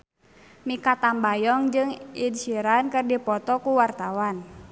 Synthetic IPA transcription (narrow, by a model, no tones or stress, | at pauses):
mikat̪ambajɔŋd͡ʒɨŋinsiɾankɨrdipɔt̪ɔkuwart̪awan